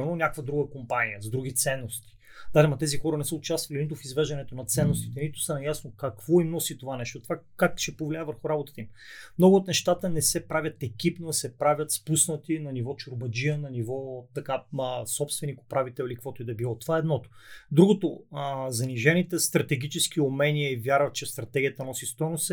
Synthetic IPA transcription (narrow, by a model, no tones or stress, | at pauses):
ɛnonʲakvəd̪ɾuɡəkompanijəzd̪ɾuɡʲit̪sɛnːost̪i̥ | d̪̥aʒɛmɐt̪ɛzixɔɾənɛsəʊt͡ʃast̪vɐlinit̪ʊfizvɛʒd̪ɐnɛt̪onɐt̪sɛnːost̪it̪ɛnit̪ʊ̥sənɐjasnokɐkvɔimnɔsit̪ovanɛʃt̪ot̪ovakakʃɛpovlʲaɛvəɾxʊɾabot̪ə̥t̪əimmnɔɡʊːt̪nɛʃt̪at̪ənɛsɛpɾavʲɐt̪ɛkʲipnosɛpɾavʲət̪spusnət̪inɐnivɔt͡ʃoɾbɐd͡ʒiənɐnivɔt̪ɐkasɔpst̪vɛnikʊ̥pɾavit̪ɛilikvɔt̪ʊid̪ɐbilˠɔt̪ovaɛːd̪nɔt̪o̥d̪ɾuɡot̪ozɐniʒɛnit̪ɛst̪ɾɐt̪ɛɡʲit͡ʃɛsk̟iomɛniəivʲjaɾvət̪t͡ʃɛst̪ɾɐt̪ɛɡʲiət̪ənɔsist̪ɔjnosɛ